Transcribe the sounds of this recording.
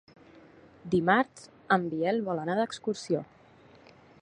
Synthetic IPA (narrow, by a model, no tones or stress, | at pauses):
d̪imaɾs | əmbiɛlβɔlənaðəkskuɾsio